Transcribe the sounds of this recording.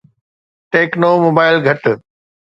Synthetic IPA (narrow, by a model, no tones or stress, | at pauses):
ʈeːknoːmoːbaːɪlɡʱɐʈ